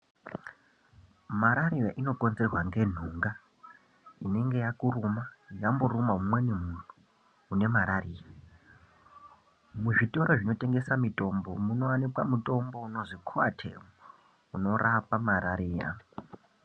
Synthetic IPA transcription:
maɾaɾijaʔino̞kʼonzerwaŋɡe̞n̤uŋɡa | ine̞ŋɡe̞jakurumajamburumaumwe̞nimun̤uː | ne̞maɾariːja | muʐito̞ɾoʐino̞te̞ŋɡe̞samito̞mbo̞muno̞wanikwamutʼo̞mbo̞uno̞ʐikʰua̰tʰḛmo | uno̞rapamaɾaɾiːja̰

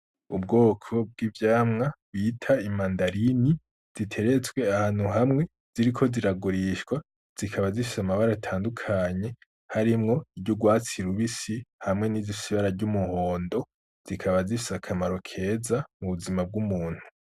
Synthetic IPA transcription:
ubɡo̞ːkʰo̞b̚ɡivjaːmŋaβitʰaimandaɾini | z̥itʰe̞ɾe̞t͡sɡwe̞ahaːn̥huɦamŋe̞ | z̥iɾikʰo̞ziɾaɡuɾiʃkwa | z̥ikʰaβazifi̥samaβaɾatʰaːndukʰaːɲe̞ | haɾimŋo̞ibɟuɡwaːt͡siɾuβisihamŋe̞niziisiβaɾaɾɟumuho̞ːndo̞ | z̥ikʰaβazifisakʰamaɾo̞kʰe̞ːzamuβuzimab̚ɡumuːn̥hu̥

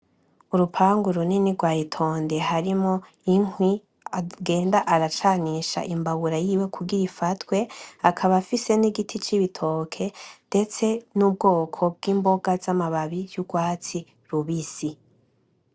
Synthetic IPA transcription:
uɾupʰaːŋɡuɾuniniɾɡwaːjitʰo̞ːnde̞ɦaɾimo | iŋwi | aɡe̞ːndaʔaɾat͡ʃaniːʃa̰ʔimbaβuɾajiːwe̞kʰuɡiɾifatwe̞akʰaβafise̞niɡitʰit͡ʃiβitʰo̞kʰe̞nde̞t͡se̞nub̚ɡo̞ːkʰo̞b̚ɡiːmbo̞ɡazamaβaβijuɡwaːt͡si | ɾuβisi

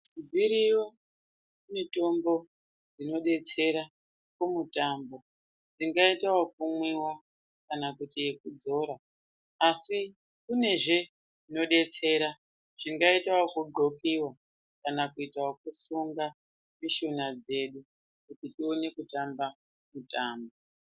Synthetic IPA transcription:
uviɾijo | mito̞mbo̞ | d͡zino̞ɗe̞t͡se̞ɾa | kumutaːmbo̞ | d͡ziŋɡaitaokumwiwa | kanakutijekud͡zo̞ːɾaː | si | kune̞ʐe̞ | ʐino̞ɗe̞t͡se̞ɾa | ʐ̥iŋɡaitawokuɡ͡ǃo̞kiwa | kanakuitaokusuŋɡa | miʃunad͡ze̞ɗu | kutitione̞kutamba | mutaːmbo

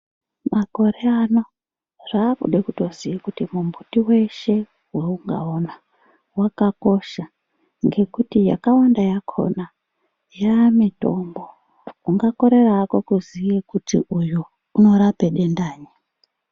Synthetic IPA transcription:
mako̞ɾeano | ʐaːkṵɗekuto̞zijikutimumbutiwe̞ʃe̞ | weuŋɡa̰ona | wakako̞ʃa | ŋɡe̞kutija̰kawandajakʰo̞̰na | jamito̞̰mbo̞ | uŋɡako̞ɾe̞rako̞kuzijekutḭʔuju | uno̞ɾape̞ɗe̞ndaːɲi

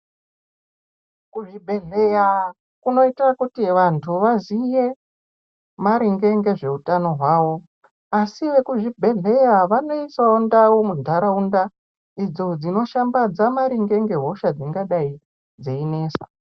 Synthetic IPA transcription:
kuʐibʱe̞ɮe̞ja | kuno̞itirakutiʋantʰuʋazije̞ | maɾiŋɡe̞ŋɡe̞ʐe̞utano̞ɦwaːwo̞ | asiʋe̞kuʐibʱe̞ɮe̞jaʋano̞isaundawomudʱaɾaunda | id͡zo̞d͡zino̞ʃambad͡zamaɾiŋɡe̞ŋɡe̞ɦo̞ʃad͡ziŋɡaɗai | d͡zeine̞ːsa

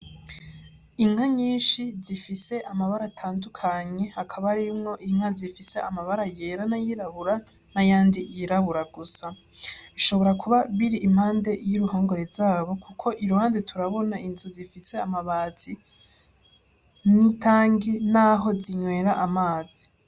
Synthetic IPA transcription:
iŋ̥haɲiːnʃizifise̞ʔamaβaɾatʰaːndukʰaɲe̞hakʰaβaɾimŋo̞ʔiŋ̥hazifise̞amaβaɾajeɾanajiɾaβuɾa | najaːndijiɾaβuɾaɡusa | iʃo̞βo̞ɾakuβaβiɾiʔim̥haːnde̞jiɾuhoːŋɡoɾezaːβo̞kʰukʰo̞ʔiɾuhaːndetʰuɾaβo̞naʔinzuzifise̞amaβaːz̥i | nitʰaːŋɡinaɦo̞ziɲwe̞ːɾaʔamaːz̥i̥

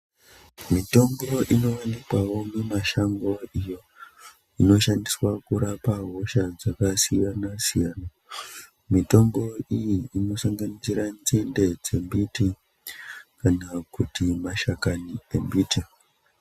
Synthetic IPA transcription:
mito̞mbo̞ʔino̞ʋanikwawo̞nemaʃaŋɡo̞ijo̞ | ino̞ʃandiswakuɾapaɦo̞ʃad͡zakasiʋanasijaːna | mito̞mbo̞ijiːno̞saŋɡanit͡siɾand͡zinde̞d͡ze̞mbiti | kanakutimaʃakanie̞mbiːte

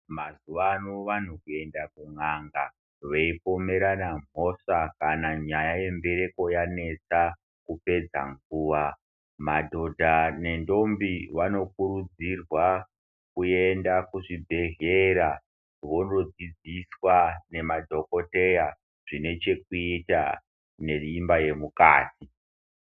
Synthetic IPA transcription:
mazuʋanuʋan̤ukue̞ndakuŋaŋɡa | ʋeipo̞me̞ɾanam̤o̞ʂakanaɲajaje̞mbe̞ɾe̞ko̞jane̞t͡sa | kupe̞d͡za̰ŋɡuːʋa | madʱo̞dʱane̞ndo̞mbiwano̞kuɾud͡zirwa | kue̞ndakuʐibʱe̞ɦeɾa | ʋo̞nod͡zid͡ziswane̞madʱo̞ko̞te̞ja | ʐ̥ine̞t͡ʃe̞k̚uita | ne̞rimbaje̞muka̰ːti

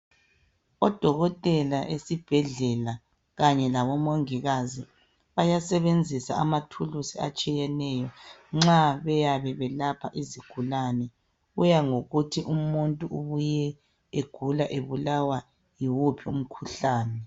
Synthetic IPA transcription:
ɔd̥ʱɔɣɔtʼɛlaʔesib̥ʱɛɮɛla | ɣaɲɛlaβɔmoŋiɣazi | βajasɛβend͡zʱisa̰a̰matʰulusiat͡ʃʼijɛnɛjɔŋ͡ǁaβɛjaβɛβɛlapʰa̰ʔiziɡ̥ʱulanɛ | ujaŋoɣutʰiʔumuntʼuuβujɛ | eɡ̥ʱulaʔeβulawa | jiwupʰium̩kʰuɬaːnɛ

